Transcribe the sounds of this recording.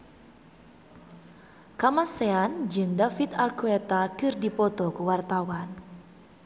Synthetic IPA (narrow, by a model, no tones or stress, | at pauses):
kamaseand͡ʒɨŋdafit̪arkuet̪akɨrdipɔt̪ɔkuwart̪awan